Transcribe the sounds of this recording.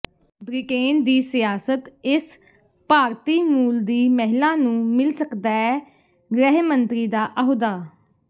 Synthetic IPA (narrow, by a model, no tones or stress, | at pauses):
bɾɪkeːnd̪iːsɪjaːsət̪ɪs | paːɾt̪iːmuːld̪iːmɛɦɪlãːnũːmɪlsəkd̪aːɛː | ɡɾɛːɦmənt̪ɾiːd̪aːʔəɦod̪aː